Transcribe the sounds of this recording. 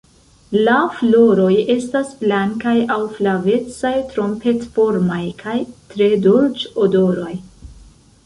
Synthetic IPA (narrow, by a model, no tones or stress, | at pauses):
laflo̞ɾo̞je̞stasb̥laŋkajawflave̞t͡sajtɾo̞mpe̞tfo̞ɾmajkʰajtɾe̞dolt͡ʃodo̞ɾo̞j